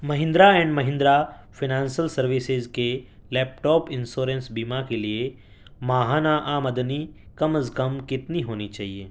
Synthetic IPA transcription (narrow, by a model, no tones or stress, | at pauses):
mɐɦɪ̃nd̪ɾaɛ̃ːɳɖmɐɦɪ̃nd̪ɾafʰɪnãːnsəlsɐɾʋɪsɪzke | lɛːp̚ʈɔːpɪ̃nsoːɾẽnsbiːmakelie | maːɦaːnaʔaːmɐd̪nikɐməskɐmkɪt̪niɦoːnit͡ʃaːɦieː